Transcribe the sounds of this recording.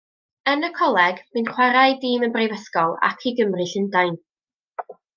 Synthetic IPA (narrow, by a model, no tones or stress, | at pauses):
ənəkʰɔlˠɛɡb̥ɨnχwaɾajdiːmənbrejvəskɔlˠa̰kʰiɡəmrɨɬɪndajn